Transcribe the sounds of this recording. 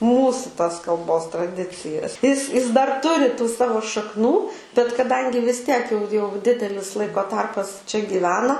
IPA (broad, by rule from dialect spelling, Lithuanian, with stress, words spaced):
ˈmuːsʊ tɐs kɐlˠˈboːs trɐˈdʲɪt͡sʲɪjɛs ɪs ɪs dɐr ˈtʊrʲɪ tuː ˈsɑːʋoː ʃɐkˈnuː bʲɛt kɐˈdɐŋʲɡʲɪ ʋʲɪs ˈtʲiɛk jɛʊ jɛʊ ˈdʲɪdʲɛlʲɪs ˈlˠɐɪkoː ˈtɐrpɐs t͡ʃʲɛ ɡʲiːˈʋʲæːnɐ